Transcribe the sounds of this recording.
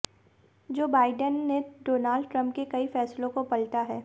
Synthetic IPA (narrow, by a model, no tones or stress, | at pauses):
d͡ʒoːbaːɪɖənːeɖoːnaːlɖʈɾə̃mpkekɐifɛːslõkopɐlʈaɦɛː